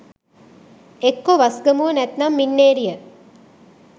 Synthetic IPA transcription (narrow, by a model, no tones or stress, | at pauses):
ekːoʋɐsɡəmuʋənæt̪nɐmːinːeːɾijə